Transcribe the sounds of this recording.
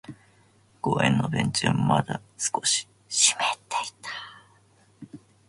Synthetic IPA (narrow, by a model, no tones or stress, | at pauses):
koːḛ̃nːobẽnt͡ɕiommad̪asɨ̥koɕi̥ | ɕi̥met̪ːei̥t̪ḁ